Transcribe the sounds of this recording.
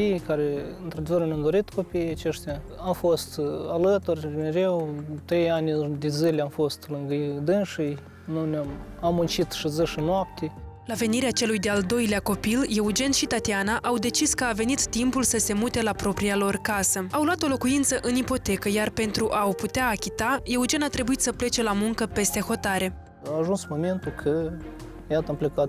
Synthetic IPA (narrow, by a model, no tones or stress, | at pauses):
ijkaɾeɨnt̪ɾad̪evəɾnʲamd̪oɾit̪kʰo̞pijat͡ʃeʃt̪ʲaamfost̪alət̪urʲmeɾewt̪ɾe̞janʲd̪ezilʲamfo̞st̪lɨŋɡəd̪ɨnʃij | nunʲamamːunt͡ʃit̪ʃizɨʃɨnoap̚t̪ʲe | lave̞niɾeat͡ʃe̞lujd̪e̞ald̪o̞jleako̞pilje̞ud͡ʒe̞nʃit̪at̪ianaʔawd̪e̞t͡ʃiskəave̞nit̪ːimpulsəse̞mut̪e̞lapɾo̞pɾialo̞rkasəawluwat̪o̞lo̞kuint̪səʔɨnipo̞t̪e̞kəjarpe̞nt̪ɾuʔawput̪eaːkʲit̪aje̞ud͡ʒe̞nat̪ɾe̞buit̪səple̞t͡ʃe̞lamuŋkəpe̞st̪e̞xo̞t̪aɾe̞ | aːʒunsmoment̪ukʰə | jat̪amplekat̪